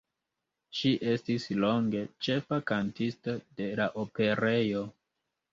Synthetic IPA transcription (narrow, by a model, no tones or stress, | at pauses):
ʃiʔe̞stislo̞ŋɡe̞t͡ʃe̞fakantistode̞laʔope̞ɾe̞jo